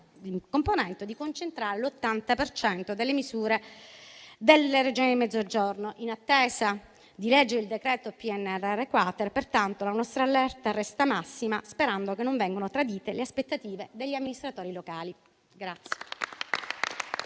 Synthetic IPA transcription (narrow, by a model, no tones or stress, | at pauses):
iŋkomponɛnt̪od̪ikont͡ʃent̪ɾaːɾelot̪ːant̪apert͡ʃɛnt̪od̪elːemizuːɾe | d̪elered͡ʒoːnid̪imɛd̪zːod͡ʒornoʔinat̪ːeːza | d̪ilɛd͡ʒːeɾeild̪ekɾɛːt̪opiɛnːɛrːɛrːekwat̪erpert̪ant̪olanɔst̪ɾaːlːɛrt̪arɛst̪amasːimaspeɾand̪okenːoɱvɛŋɡonot̪ɾad̪iːt̪eleaspet̪ːat̪iːved̪eʎːiamːinist̪ɾat̪oːɾilokaːli | ɡɾat̪sːje̥